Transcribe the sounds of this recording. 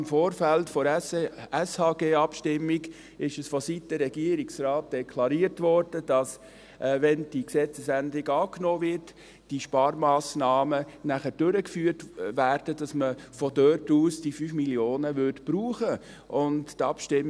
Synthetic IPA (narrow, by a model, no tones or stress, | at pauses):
mfoːɾfæltfɔ | ɛshɑːɡeːɑpʃtɪmːiɡ | ɪʃəsfɔsitːəɾːɛɡiːəɾiksrɑːt̚d̥ɛkʰlɑɾiəɾtʋɔːɾd̥əd̥ɑs | ʔʋɛnd̥iksɛt͡səsændɪɡɑːknoːvɪɾt | d̥iʃpɑːɾmɑːsnɑːmənæχəd̥øɾəkfyːəɾtʋæːɾd̥ədɑsməfɔdøtuːsd̥ifyːfmiljoːnəʋʏɾtb̥ɾuːχə | ʔʊnttɑpʃtɪm